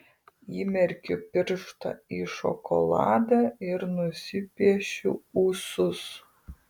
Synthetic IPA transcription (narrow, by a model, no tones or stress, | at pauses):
iːmʲɛɾʲkʲʊpʲɪɾʃt̪ɐ̰iːʃɔ̰kɔ̰lˠɑ̰ːd̪ɑɪɾnʊsʲɪpʲiɛʃʲṵuːsʊs